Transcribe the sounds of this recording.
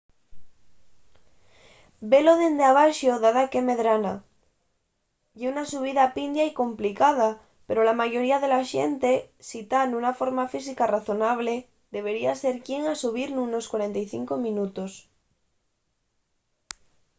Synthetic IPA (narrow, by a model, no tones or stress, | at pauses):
beloð̞end̪eaβ̞aʃoðaðakeme̞ðɾana | ʝeunasuβ̞iðapind̪jaiko̞mplikað̞a | peɾolamaʝo̞ɾiaðe̞laʃḛnt̪e̞sit̪anunafo̞ɾmafisikaraθo̞naβ̞le | ðe̞β̞e̞ɾiaseɾkje̞ŋasuβ̞iɾnuno̞skwaɾent̪ajθḭŋkomĩnut̪os